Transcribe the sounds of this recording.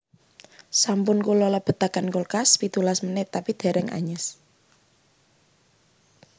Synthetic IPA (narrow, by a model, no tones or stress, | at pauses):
sampʊnkulɔləb̥ə̤t̪akankolkaspit̪ulasmənɪt̪apid̪̥ɛ̤ɾɛŋʔa̰ɲəs